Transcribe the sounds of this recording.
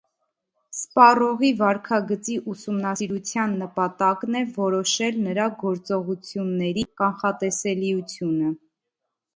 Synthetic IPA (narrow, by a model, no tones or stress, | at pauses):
spɑrɔʁivɑɾkʰɑɡət͡siʔusumnɑsiɾut͡sʰjɑnːəpɑt̪ɑknɛvɔɾɔʃɛlnəɾɑɡɔɾt͡sɔʁut͡sʰjunːɛɾikɑnχɑt̪ɛsɛliut͡sʰjunə